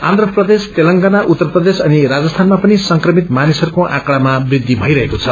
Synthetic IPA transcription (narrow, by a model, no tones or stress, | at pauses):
ãnd̪ɾrʌprʌd̪est̪elʌŋɡanaʔut̪ːʌrprʌd̪esʌniɾad͡zʌst̪ʰanmapʌnisʌŋkrʌmit̪manisʌɾukoʔãkɽamabrid̪ʱːibʱʌjɾʌɦekot͡sʰʌ